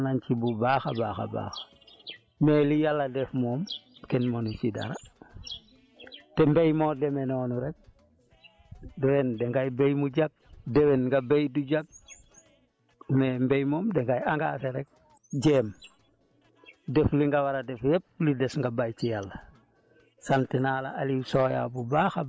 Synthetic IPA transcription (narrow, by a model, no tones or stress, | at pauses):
nancibubaːxabaːxa̰ba̰ːxḁ | meːlijalːɐdɛfmɔːmkɛnmonut͡ʃida̰ɾa | tɛmbejmɔːdɛmɛnɔːnuɾɛk̚ | duɾɛndɛŋɡajbejmuɟak̚dɛwɛnŋɡabejduɟak̚ | mɛmbejmɔːmdɛŋɡajaŋɡaːseɾɛk̚ | ɟɛm | dɛfliŋɡawaɾadɛfjɛp̚lidɛsŋɡabajt͡ʃijalːɐ | santinaːla̰ʔalisoːja̰bubaxa